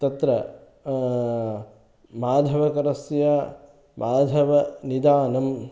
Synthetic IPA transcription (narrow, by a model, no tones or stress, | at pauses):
t̪ɐt̪ɾɐ | maːd̪ʱɐʋɐkɐɾɐsjaː | mʔaːd̪ʱɐʋɐnid̪aːnɐm